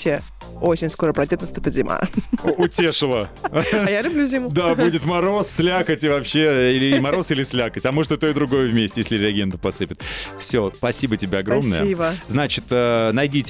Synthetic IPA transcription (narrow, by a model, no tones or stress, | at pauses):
e | ot͡ɕɪnʲsko̞ɾəpɾɐdʲnʲot̪nɐst̪upʲɪt̪ʲzʲɪmʔa̰ʊtʲe̞ʂɨlˠəjalʲʊblʲuzʲimʊd̪abudʲɪt̪mɐɾo̞ssʲlʲakətʲɪvɐpɕːe̞ilʲɪmɐɾo̞silʲɪsʲlʲakətʲɐmɨʐt̪ot̪oɪd̪ɾʊɡo̞jəvmʲesʲtʲɪjesʲlʲɪɾʲɪɐɡʲe̞nd̪ʊpɐsɨpʲɪt̪fsʲospɐsʲibətʲɪbʲeɐɡɾo̞mnəjəbəznat͡ɕɪt̪ənɐjdʲitʲ